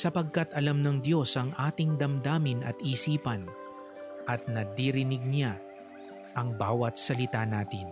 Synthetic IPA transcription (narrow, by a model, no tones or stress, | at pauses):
sɐpɐɡ̚kɐt̪ɐlamnɐŋd̪jo̞sɐŋʔaːt̪ɪŋd̪ɐmd̪aːmɪnɐ̰t̪iːsiːpɐn | ʔɐt̪̚nɐd̪iɾɪnɪɡ̚nʲa | ʔɐŋbaːwɐt̪̚sɐlɪt̪anaːt̪ɪn